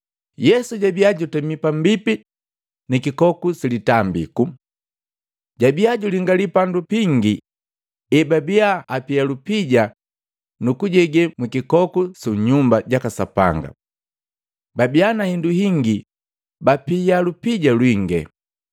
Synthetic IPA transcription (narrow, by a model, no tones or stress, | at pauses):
jɛsuɟabiaɟutɛmipam̩bipi | nikikɔkusilitambḭku | ɟabiaɟuliŋɡalipandupiŋɡi | ɛbabiaapialupiɟa | nukuɟɛɡɛmwikikɔkusuɲumbaɟakasa̰pa̰ŋɡa̰ | babianahinduɦiŋɡi | bapialupiɟalwiŋɡɛ̰